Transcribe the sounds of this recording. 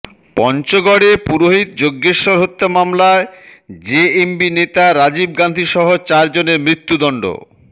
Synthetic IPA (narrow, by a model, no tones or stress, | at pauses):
pɔnt͡ɕoɡɔɽepuɾoɦit̪̚d͡ʑoɡːeʃoɾɦot̪ːamamlaed͡ʑeembinet̪aɾad͡ʑib̚ɡand̪ʱiʃɔɦot͡ɕaɾd͡ʑoneɾmɾit̪ːud̪ɔɳɖo̰